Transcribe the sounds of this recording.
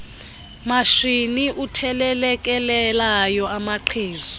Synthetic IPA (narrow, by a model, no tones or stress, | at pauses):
maʃiniʔutʰɛlɛlɛk̬ʼɛlɛlajɔamaǃʰiːzɔ